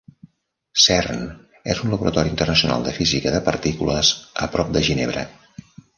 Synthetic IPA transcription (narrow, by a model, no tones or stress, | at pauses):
sɛrn | ezunləβuɾət̪ɔɾiːnt̪ərnəsiuna̰lˠd̪əfizikəðəpəɾt̪ikuləzəpɾɔp̚d̪əʒineβ̞ɾə̰